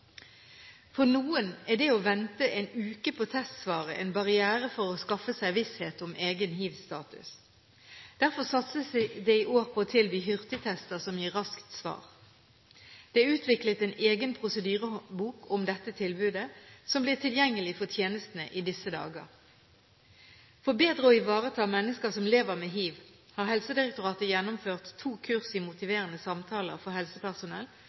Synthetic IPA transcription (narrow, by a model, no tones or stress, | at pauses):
fɔʁnuːənæd̪ɛoʋɛnt̪əʔɛnʉːkəpʰoːt̪ʰɛst̪sʋɑːʁəʔɛ̰ɪnbɑʁɪæːʁəfɔʁoskɑfəsæɪʋɪsheːt̪ɔmeːɡənhiːʋst̪ɑ̰ːt̪ʉ̰s | d̪̥æʁfɔʁsɑt̪səsd̪ɛɪʔoːʁpʰoːoːt̪ʰɪlbyːɦʏʁt̪ɪt̪ʰɛst̪əʁsɔmjiːʁɑskt̪sʋɑ̰ːʁ | d̪̥ɛʉːt̪ʰʋɪklət̪ɛneːɡənpʰʁʊsəd̪yːʁəbuːkɔmd̪ɛt̪ːət̪ʰɪlbʉːd̪əsɔmblɪːʁt̪ʰɪljɛŋːəlɪfɔt̪ʰjeːnəst̪nəʔid̪ɪsəd̪ɑ̰ːɡə̰ʁ | fɔʁbeːd̪ʁəɔɪʋɑːʁət̪ʰɑːmɛnːəskəsɔmleːʋəʁmeːɦiːʋ | hɑːʁɦɛlsəd̪ɪʁɛkt̪ʊʁɑːt̪əjɛnːʊmføːʁt̪ʰːuːkʰʉʁsɪmʊt̪ɪʋeːʁənəsɑmt̪ʰɑːlə̰ʁfɔhɛlsəpʰæʁsʊnɛ̰l